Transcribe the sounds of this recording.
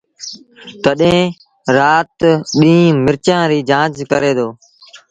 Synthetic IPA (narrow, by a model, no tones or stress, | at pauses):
t̪əɗẽː | ɾaːt̪ɗĩːmɪɾt͡ʃãːɾiːd͡ʒãːt͡ʃkəɾeːd̪oː